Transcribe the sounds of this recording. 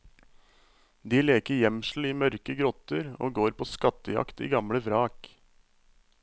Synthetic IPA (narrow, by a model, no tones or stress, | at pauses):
d̪iːleːkəɾjɛmʃl̩iːmœɾkəɡɾɔt̪əɾo̰ːɡoːɾpʰoːskɑt̪əjɑ̰kt̪ḭːɡɑmɽəʋɾɑːk